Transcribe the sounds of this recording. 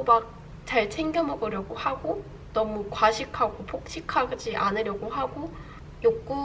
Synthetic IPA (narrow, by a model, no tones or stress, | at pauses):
mak̚ | t͡ɕaɭt͡ɕʰeŋɡjʌmʌɡɯɾjʌɡohaɡo | nʌmukwaɕʰikʰaɡopʰok̚ɕʰikʰaɡɯd͡ʑiʔanɯɾjʌɡoɦaɡo | jokk͈u